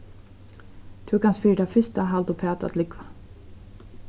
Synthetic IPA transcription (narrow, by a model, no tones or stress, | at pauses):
t̪ʰʉkansfiːʈ̪afɪst̪aɦald̪ʊpʰaːt̪a̰t̪lɪkva